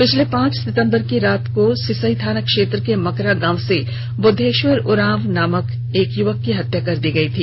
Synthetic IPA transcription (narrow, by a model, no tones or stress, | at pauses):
pɪt͡ʃʰlepãːt͡ʃsɪt̪ə̃mbəɾkiɾaːt̪kosɪsəit̪ʰaːnəkʃeːt̪ɾəkemɐkɾaɡãːʋse | bʊd̪ʱːeːʃʋəɾʊɾãːʋnaːmək | eːkjʊʋəkːiɦɐt̪jakɐɾd̪iɡɐit̪ʰiː